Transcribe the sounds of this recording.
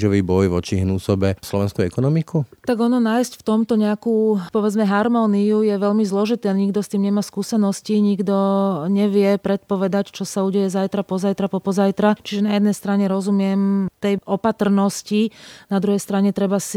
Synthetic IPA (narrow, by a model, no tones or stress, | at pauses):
ʒɔʋibɔjʋɔt͡ʃiɦnuːsɔbɛslɔʋɛnskuɛkɔnɔmikut̪aɡɔnɔnaːjscft̪ɔmt̪ɔɲɛakuːpɔʋɛd͡zmɛɦaɾmɔːniujɛʋɛʎmizlɔʒit̪ɛːaɲiɡd̪ɔst̪iːmɲɛmaːskuːsɛnɔsciɲiɡd̪ɔɲɛʋɪɛpɾɛt̪̚pɔʋɛd̪act͡ʃɔsauːɟɛjɛzajt̪ɾapɔzajt̪ɾapɔpɔzajt̪ɾat͡ʃiʒɛnajɛd̪nɛjst̪ɾaɲɛɾɔzumɪɛmt̪ɛjʔɔpat̪r̩nɔscinad̪ɾuɦɛjst̪ɾaɲɛt̪ɾɛbasi